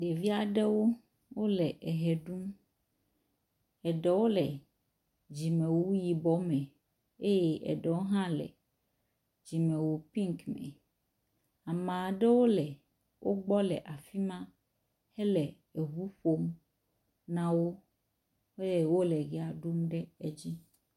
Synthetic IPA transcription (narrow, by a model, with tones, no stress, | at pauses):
ɖe˨vi˦a˨ɖɛ˦wo˦ | wo˦lɛ˨ʔɛ˨ɦɛ˨ɖu˦m | ɛ˨ɖɛ˨wo˦lɛ˨ | d͡ʑi˨mɛ̃˨wo˦wu˦ji˨bɔ˦mɛ̃˨ | e˦je˦ʔɛ̰˨ɖɛ˨wo˦ɦã˦lɛ̰˨ | d͡ʑi˨mɛ̃˨wo˦pĩ˦ŋkmɛ̰̃˨ | a˨mã˨ɖɛ˦wo˦lɛ˨ | wʔo˦ɡ͡bɔ˦lɛ̰˨ʔa˨fi˦mã˦ | hɛ˦lɛ˨ | ɛ˨ɦu˦ɸo˦m | nã˦wo˦ | e˦je˦˨wo˦lɛ˨ɡɛ˨a˨ɖu˦mɖɛ˦ɛ˨d͡ʑi˦